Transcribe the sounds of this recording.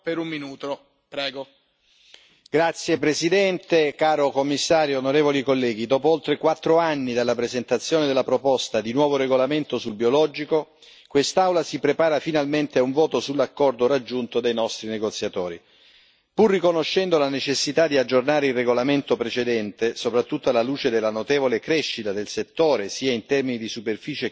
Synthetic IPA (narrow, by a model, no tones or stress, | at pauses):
peɾumminuːt̪o | pɾɛːɡo | ɡ̥ɾat̪sːjepɾesid̪ɛnt̪ekaːɾokomːisːaːɾjoonoɾeːvolikolːɛːɡid̪ɔːpoolt̪ɾekwat̪ːɾoanːid̪alːapɾezent̪at̪sːjoːned̪elːapɾopɔst̪ad̪inwɔːvoɾeɡolament̪osulbiolɔːd͡ʒiko | kwest̪awlasipɾepaːɾafinalment̪eauɱvɔːt̪osulːakːɔrd̪oɾad͡ʒːunt̪od̪ejnɔst̪ɾineɡot̪sːjat̪oːɾḭ | purːikonoʃːɛnd̪olanet͡ʃesːit̪ad̪iad͡ʒːornaːɾeilreɡolament̪opɾet͡ʃed̪ɛnt̪esopɾat̪ːut̪ːoalːaluːt͡ʃed̪elːanot̪eːvolekɾɛʃːit̪ad̪elset̪ːoːɾesiːaint̪ɛrminid̪isuperfiːt͡ʃe